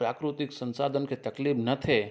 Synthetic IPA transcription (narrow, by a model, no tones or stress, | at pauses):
pɾaːkɾʊt̪ɪksə̃nsaːd̪ʱənket̪ɐklibnɐt̪ʰe